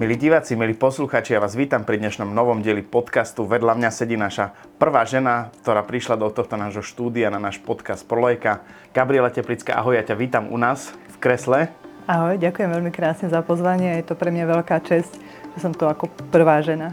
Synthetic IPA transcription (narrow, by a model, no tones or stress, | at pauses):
miliːɟiʋaːt͡similiːpɔsluxaːt͡ʃijaʋaːzʋiːt̪ampɾid̪ɲɛʃnɔmnɔʋɔmɟɪɛlipɔt̪kast̪uʋɛd̪lamɲasɛɟiːnaʃa | pr̩ʋaːʒɛnakt̪ɔɾaːpɾiʃlad̪ɔt̪ɔxt̪ɔnaːʒɦɔʃt̪uːd̪iananaːʃpɔt̪kast̪̚pɾɔlɛjka | ɡ̥abɾiɪɛlacɛplit͡ska̰ʔa̰ɦɔjjacaʋiːt̪amṵnaːsfkɾɛslɛ | aɦɔjɟakujɛmʋɛlmikɾaːsɲɛzapɔzʋaɲɪɛajɛt̪ɔpɾɛmɲaʋɛlkaːt͡ʃɛsc | ʒɛsɔmt̪uakɔpr̩ʋaːʒɛna